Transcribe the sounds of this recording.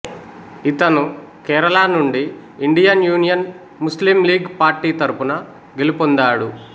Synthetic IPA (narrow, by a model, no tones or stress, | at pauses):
it̪ɐnukɛːɾɐlaːnuɳɖiː | ɳɖijɐnjuːnijɐn | muslimliːɡpaːɾʈːiːt̪ɐɾupunɐ | ɡelipond̪aːɽu